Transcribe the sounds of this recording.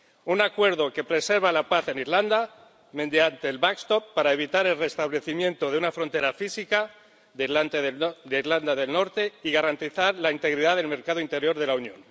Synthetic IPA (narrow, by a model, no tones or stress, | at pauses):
unakwe̞ɾðo̞ke̞pɾe̞se̞ɾβalapaθe̞niɾland̪a | mẽ̞nd̪jant̪e̞ːlβakst̪opːaɾae̞βit̪aɾe̞lre̞st̪aβle̞θimjẽ̞nt̪o̞ðeunafɾont̪e̞ɾafisika | ðlant̪eðd̪eiɾland̪aðe̞lno̞ɾt̪e̞iɣaɾant̪iθaɾlaint̪e̞ɣɾiðaðe̞lme̞ɾkaðoint̪e̞ɾjo̞ɾð̞e̞launjõ̰n